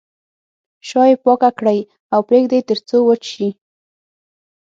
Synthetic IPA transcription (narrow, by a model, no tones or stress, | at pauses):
ʃɑjepɑkakɽaj | awpɾeɡd̪et̪əɾt͡sowət͡ʃʃi